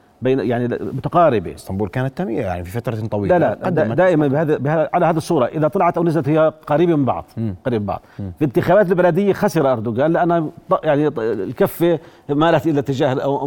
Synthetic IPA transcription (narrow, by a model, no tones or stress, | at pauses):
beːnjaʕnimʊt̪aqɑːɾɪbḛɪst̪ambuːlkaːnat̪ːamiːaja̰ʕnififat̪ɾˤɑt̪ˤɑwiːlalad̪d̪aːʔɪmanbhaːðbɪhaʕalahaːðisˤːuːɾˤɑʔɪðat̪ˤɑlɑʕɑt̪ʔawnazalat̪hɪjːaqɑɾiːbamɪmbɑ̰ʕd̪ˤqɑɾiːbbɑ̰ʕd̪ˤfint̪ɪxaːbaːt̪̬ɪlbalad̪ɪjːaxasɪɾɑʔɑɾd̪ʊɡaːnlɪʔanːhajaʕnilkafːemaːlat̪ʔɪlːat̪ːɪd͡ʒaːhlʔa